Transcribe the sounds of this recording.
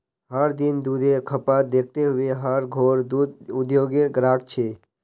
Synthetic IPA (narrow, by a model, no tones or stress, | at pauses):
ɦaɾd̪ind̪ud̪ʱeɾkʰəpad̪ek̚ʰt̪eɦueɦaɾɡʱoɾd̪ud̪ʊd̪joɡeɡɾak̚t͡ʃʰe